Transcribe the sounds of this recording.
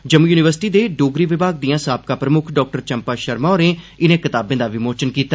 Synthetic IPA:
d͡ʒəmuːjuːnɪʋəɾsɪ̥ʈiːd̪eːɖoːɡɾiːʋɪbaːɡ̚d̪iːãːsaːp̚kaːpɾəmʊkʰɖɔːk̚ʈəɾt͡ʃəmpaːʃəɾmaːɾẽː | ɪnẽːkɪt̪aːbẽːd̪aːʋɪmoːt͡ʃənkiːt̪aː

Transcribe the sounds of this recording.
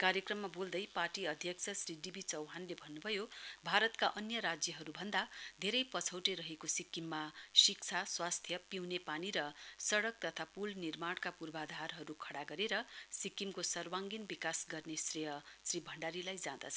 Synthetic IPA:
kaɾjʌkrʌmːabold̪ʌjparʈiʌd̪ʱjʌkt͡sʰʌsriɖibʱit͡sʌwɦanlebʱʌnːubʱʌjobʱaɾʌt̪kaʔʌnjʌɾad͡zjʌɦʌɾubʱʌnd̪ad̪ʱeɾʌjpʌt͡sʰʌwʈeɾʌɦekosikːimːasikt͡sʰaswast̪ʰjʌpiwnepaniɾʌsʌɽʌk̚t̪ʌt̪ʰapulnirmaɽkapurbad̪ʱarɦʌɾukʰʌɽaɡʌɾeɾʌsikːimkosʌrwaŋɡinbikasɡʌrnesrejʌsribʱʌɳɖaɾilajd͡zãd̪ʌt͡sʰʌ

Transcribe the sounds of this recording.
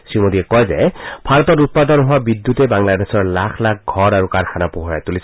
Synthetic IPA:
sɹimodiɛkɔjzɛ̰b̥ʱaɹɔtɔtut̚padɔnɦʊwabidjutɛbaŋladɛsɔɹlakʰlak̚ɡʱɔɹaɹukaɹxʰanapuɦɔɹajtulisɔ

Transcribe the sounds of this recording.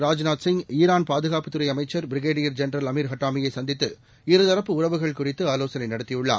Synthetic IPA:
ɾaːd͡ʒnaːt̪sɪŋɡiːɾaːnpaːðɯɣaːpɯt̪ːɯɾɐɪɐmɐɪt͡ʃːɐɾbɪɾɪɣeːɖɪjɐɾd͡ʒɛnɾɐlɐmiːɾɦɐʈːaːmɪjɐɪsɐnd̪ɪt̪ːɯ | ɪɾɯðɐɾɐpːɯʊɾɐʋɯɣɐɭkʊrɪt̪ːɯaːloːsɐnɐɪnɐɽɯt̪ːɪjɯɭːa̰ː

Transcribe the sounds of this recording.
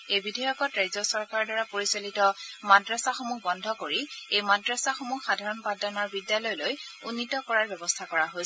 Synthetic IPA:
ejbidʱajɔkɔtɹajzɔsɔɹkaɹɔdwaɹapoɹisolitɔmadɹasaxomukbɔndʱɔkoɹiejmadɹasaxomuhxadʱaɹɔnpadanɔɹbidjalɔjlojunːitɔkɔɹaɹbɛbɔstʰakɔɹaɦoj

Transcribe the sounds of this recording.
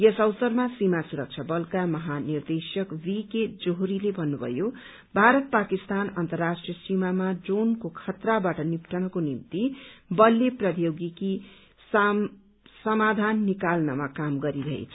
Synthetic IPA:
jesʌwsʌrmasimasuɾʌk̚t͡sʰʌbʌlkamʌɦanird̪esʌkwiked͡zoɦɾilebʱʌnːubʱʌ̰jo | bʱaɾʌt̪̚pakist̪anʌnt̪ʌrːasʈrijʌsimamad͡zonkokʰʌt̪rabaʈʌnipʈʰʌɽ̃ʌkonimt̪ibʌlːeprʌd̪joɡiki | s | sʌmad̪ʱanːikalnʌmakamɡʌɾiɾʌɦḛt͡sʰʌ

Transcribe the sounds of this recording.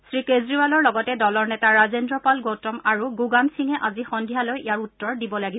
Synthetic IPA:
sɹikezɹibalɔɹlɔɡɔtɛdɔlɔɹnɛtaɹazendɹɔpalɡowtɔmaɹuɡuɡamsiŋɛʔazixɔndʱijalojijaɹutːɔɹdibɔlaɡiɔ

